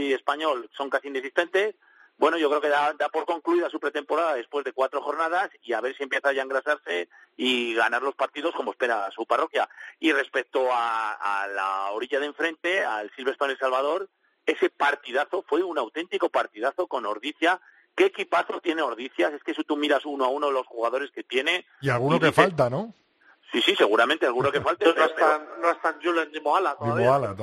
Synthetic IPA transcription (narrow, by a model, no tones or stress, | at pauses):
e̞spaɲo̞lso̞ŋkasinesist̪e̞nt̪e̞s | bwe̞no̞ʝo̞kɾeo̞keðad̪apo̞ɾko̞ŋkluiðasupɾe̞t̪e̞mpo̞ɾaðaðe̞spwe̞zðe̞kwat̪ɾo̞xo̞ɾnað̞asiaβ̞e̞ɾsie̞mpje̞θaʝaeŋɡɾasaɾse̞iɣanaɾlo̞spaɾt̪iðoko̞mo̞spe̞ɾasuparo̞kjaire̞spe̞k̚t̪o̞a̰ːla̰o̞ɾiʝaðeɱfɾe̞nt̪e̞aelsilβe̞st̪onelsalβað̞o̞ɾ | e̞se̞paɾt̪iðaθo̞fwe̞unawt̪e̞nt̪iko̞paɾt̪iðaθo̞ko̞no̞ɾðiθja | ke̞ːkipaθo̞t̪je̞ne̞o̞ɾðiθjase̞skesit̪umiɾasunoaunoðelosxuɣaðo̞ɾe̞ske̞t̪je̞ne̞ | ialɣunokfaalt̪ano | sisise̞ɣ̞uɾamẽnt̪e̞alɣuno̞ke̞falt̪eeseanoest̪ant͡ʃuloend̪imoalat̪oiaβala